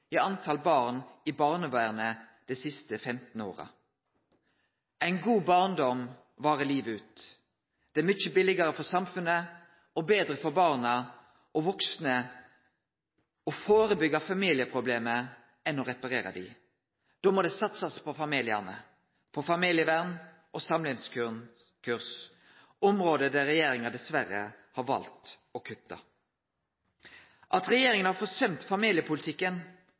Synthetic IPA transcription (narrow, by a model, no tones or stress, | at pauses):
iɑnt̪ʰɑlbɑːʁnɪbɑːʁnəʋæɪʁnə | d̪̥ɛsɪst̪əfɛmt̪n̩o̰ːʁə̰ | ʔæɪnɡuːbɑʁnd̪ɔm | ʋɑːʁəliːʋəʉːt̪ | d̪̥ɛæmʏt͡ʃːəbɪlɪɡɑɾəfɔʁsɑmfʉnə | ɔbeːd̪ɾəfɔʁbɑːʁnɑ | ʔɔʋɔksnə | ɔfoːɾəbʏɡɑfɑmiːlɪəpʰʁʊbleːmə | ɛnːɔɾɛpɑɾeːɾɑ̰d̪ɪ̰ | d̪̥oːmɔd̪ɛsɑt̪sɑspʰɔfɑmiːlɪæ̰nə̰ | pʰɔfɑmiːlɪəʋæʁn | ʔɔsɑmlɪŋsk | kʰʉʁs | ɔmɾoːd̪əd̪æɾɛjeːɾɪŋɑd̪ɛsʋæɾə̰hɑɾʋɑ̰lt̪ | ɔkʰʉt̪ːɑ̰ | ʔɑt̪ɾɛjeːɾɪŋənhɑɾfɔsœmt̪fɑmiːlɪəpʰʊlɪt̪ʰɪkːən